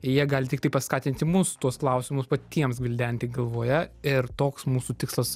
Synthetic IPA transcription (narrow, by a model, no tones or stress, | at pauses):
jiɛɡɑːlʲɪtʲɪkt̪ɐɪpɐskɑːt̪ʲɪnʲt̪ʲɪmʊst̪uɔsklˠɐʊsʲɪmʊspɐt̪ʲiɛmsɡʋʲɪlʲd̪ʲænʲt̪ʲɪːɡɐlˠʋoːjɛɪɾt̪oːksmuːsut̪ʲɪkslˠɐs